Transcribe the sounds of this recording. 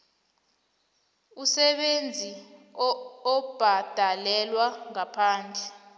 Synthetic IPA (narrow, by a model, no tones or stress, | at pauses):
usɛɓend͡zʱi | ɔb̥ʱad̥ʱalɛlwaŋapʰaːnd͡ɮʱɛ